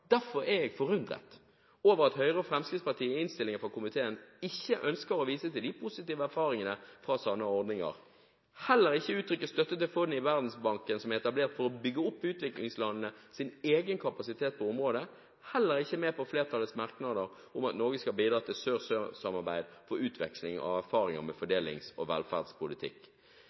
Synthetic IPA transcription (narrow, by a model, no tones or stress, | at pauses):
d̪̥æɾfɔɾɛɛɡfɔɾʉnd̪ʁə̰t̪ | oːʋəʁɑt̪hœʏʁəɔfʁɛmskɾɪtspɑʁt̪ʰiːɪnst̪ɪlɪŋənfʁɑkʊmɪt̪ʰeːənɪçːəʔœnskəɾɔʋiːsət̪ɪld̪ɪpʰʊsɪt̪iːʋəæɾfɑːɾɪŋənəfʁɑsɑnːəɔʁd̪nɪŋɑ̰ʁ | hɛlːəɾɪçːəʉːt̪ʰɾʏkːəst̪œt̪ːət̪ɪlfɔnːɪʋæʁd̪n̩sbɑŋkənsɔmæʁɛt̪ɑbleːʁt̪fɔɾɔbʏɡəʊpːʉːt̪ʋɪklɪŋslɑnənəsɪneːɡənkʰɑpɑsɪt̪ʰeːt̪̚pʰɔʊmʁoːd̪ə | hɛlːəɾɪçːəmeːpɔfleːʁt̪ʰɑlːəsmɑʁknɑd̪əɾ | ʊmɑt̪noːɡəskɑlbiːd̪ɾɑːt̪ʰɪlsøːʁsøsɑmɑʁbæɪd̪fɔɾʉːt̪ʰʋɛ̰kslɪŋɑ̰ʋæɾfɑːɾɪŋə̰ɾmɛfɔɖeːlɪ̰ŋsɔʋɛ̰lfæ̰ːd̪spʊlɪt̪ʰɪ̰kː